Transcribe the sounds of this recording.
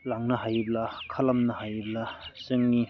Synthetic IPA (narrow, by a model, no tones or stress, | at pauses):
laŋnɐɦajiblakʰɐlɐmnɐhajiblasɯŋni